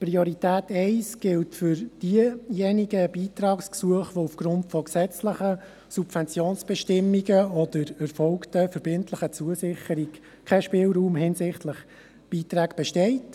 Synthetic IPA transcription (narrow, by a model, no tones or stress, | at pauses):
priɔɾitæːtɛɪsɡ̥ɪltfʏɾd̥iəjɛniɡəb̥iːtɾɑːksksuəχʋoufɡ̥ɾʊntfɔksɛt͡sləχə | subvɛnt͡sjoːnsb̥ɛʃtɪmːiɡəɔdəɾɛɾfɔlktəfəɾb̥ɪntʰləχət͡suəsɪχəɾik | kʰɛʃpɪːlɾuːmɦɪnsɪχtləχ | b̥iːtɾæːɡb̥ɛʃtɛɪt